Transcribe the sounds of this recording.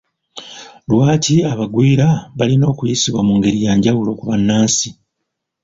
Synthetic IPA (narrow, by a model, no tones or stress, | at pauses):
lwaːciaβaɡwiːɾaβalino̞ːkujisiβwamuŋɡe̞ɾijaːɲɟawulo̞kuβanːaːnsi